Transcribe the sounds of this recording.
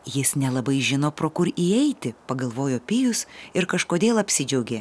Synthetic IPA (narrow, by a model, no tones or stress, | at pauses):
jɪsnʲɛlˠɐbɐɪʒʲɪnoːpɾoːkʊɾiːɛɪt̪ʲɪpɐɡɐlˠʋoːjoːpʲiːjʊsɪɾkɐʃkoːd̪ʲeːlˠɐpʲsʲɪd͡ʒʲɛʊɡʲeː